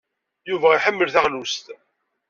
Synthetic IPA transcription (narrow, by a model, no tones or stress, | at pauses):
juvæiħəmːəlθaʁlust̪